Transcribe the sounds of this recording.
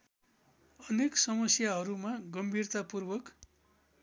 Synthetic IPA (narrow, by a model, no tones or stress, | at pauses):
ʌneksʌmʌsjaɦʌɾumaɡʌmbʱirt̪apurbʌk